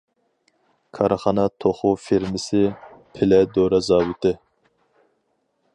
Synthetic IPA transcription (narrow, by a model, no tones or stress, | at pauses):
kʰɑɾɨχɑnɑt̪ʰoχʊfeɾmɪsɪpʰɪlɛd̪oɾɑzɑːwut̪ʰɨ